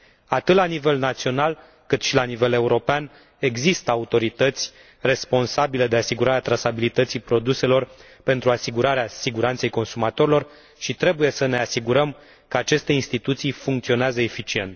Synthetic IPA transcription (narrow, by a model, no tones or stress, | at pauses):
at̪ɨt̪lanive̞lnat̪sio̞nal | kɨt̪ʃilanive̞le̞uɾo̞pean | e̞ɡzist̪əaut̪o̞ɾit̪ət̪sʲ | re̞spo̞nsabile̞d̪e̞asiɡuɾaɾeat̪ɾasabilit̪ət̪sijpɾo̞d̪use̞lo̞r | pe̞nt̪ɾuasiɡuɾaɾeasiɡuɾant̪sejko̞nsumat̪o̞ɾilo̞r | ʃit̪ɾe̞buje̞səne̞asiɡuɾəm | kəat͡ʃe̞st̪e̞inst̪it̪ut̪sijfuŋkt̪sio̞neazəefit͡ʃie̞̰nt̪